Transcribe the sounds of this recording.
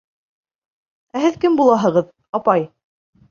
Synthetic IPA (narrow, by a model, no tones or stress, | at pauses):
æɦɘðkɘmbulˠɑɦɤ̆ʁɤð | ɑpɑj